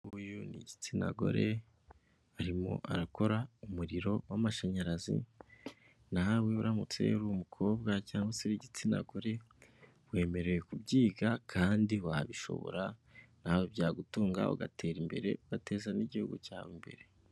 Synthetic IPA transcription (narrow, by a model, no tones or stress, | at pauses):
ujuniɟit͡sina̰ɡo̞̰ɾe̞ | aɾimo̞̰ʔaɾako̞ɾaumuɾiɾo̞wamaʃaɲaɾazḭ | naweβuɾamut͡se̞̰ɾuumukʰo̞ːb̚ɡacaːŋɡwaseɾiɟit͡sina̰ɡo̞ɾe̞ | βwe̞ːme̞ɾe̞jekubɟiːɡakʰaːndiwaβiʃo̞̰βo̞̰ɾanawobɟaːɡutuːŋɡa̰o̰ɡa̰te̞ːɾimbe̞ɾe̞̰uɡate̞ːzaniɟihuɡuca̰ːwimbe̞̰ɾe̞